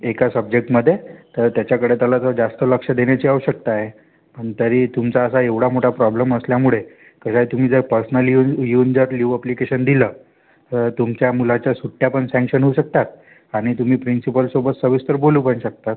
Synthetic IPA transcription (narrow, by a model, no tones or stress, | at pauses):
ekasəb̚d͡ʑek̚ʈməd̪ʱːjet̪əɾt̪jat͡ɕjakəɽet̪jalat̪əd͡zast̪ələkʂəd̪eɳ̃jat͡ɕiəwɕək̚t̪aɦe | pəɳt̪əɾiːt̪umt͡saəsaeʋɽ̤amoʈʰapɾɔbləməsljamuɭe | kəɕajt̪um̤iːd͡zəɾpəɾsənəljujuːnd͡zəɾliʋəplikeɕənd̪iləː | t̪əɾt̪umt͡ɕjamulat͡ɕjasuʈːjapəɳsɛ̃ŋkɕənɦouɕək̚t̪at̪̚ | aɽ̃it̪um̤iːpɾinsipəlsobət̪səʋist̪əɾboluːpəɳɕək̚t̪at̪̚